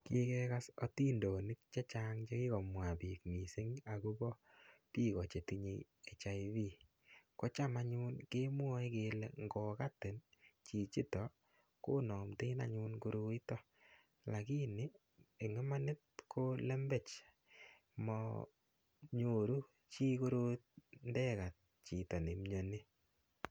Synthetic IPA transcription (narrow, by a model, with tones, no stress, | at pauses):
ki˦kɛ˦ka˦sɔ˦ti˦ndo˨nɪ˦k̚t͡ʃe˦t͡ʃa˦ŋt͡ʃe˦ki˦kɔ˨mwa˨piː˨kmi˨se˦ŋa˨ku˦bɔ˦ | piː˦kɔ˨t͡ʃe˨ti˦ɲḛ | e˨t͡ʃa˨iβi˦ | ko˦t͡ʃa˦ma˨ɲuː˦nke˦mwɔ˦i˦keː˨lḛ˨ŋɡɔ˨ka˦te˨nt͡ʃi˨t͡ʃi˦tɔ˨ | ko˦nɔ˨mte˦na̰˨ɲu˧nko˦ɾo˦i˦tɔ˦ | la˨ki˦nɪ˦ | e˨ŋɪ˦ma˦nɪ˦t̚kʰo˦lɛ˦mbe˨t͡ʃ | mɔ̰ | ɲo˨ɾu˦ | t͡ʃiː˦ko˦ɾo˦t̚ndɛ˦ka˨t̚ | t͡ʃi˨tɔ˨ne˨mɲo˨ni˦